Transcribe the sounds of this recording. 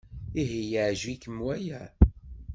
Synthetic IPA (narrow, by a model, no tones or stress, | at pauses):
iɦijʕʒwikəmwæjæ